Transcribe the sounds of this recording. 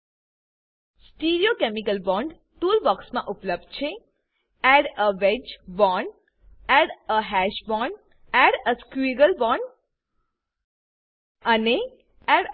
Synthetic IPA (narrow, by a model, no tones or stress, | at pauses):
sʈiɾiokemikəlbɔ̃ːɳɖ | t̪uːlbɔksmã̰ʔʊpləb̚d̚t͡ʃʰe | ɛɽəʋed͡ʒbɔːɳɖ | ɛɽəɦɛʃbɔɳɖ | ɛɽəskuiɡəlbɔ̃ɳɖ | əne | ɛɽ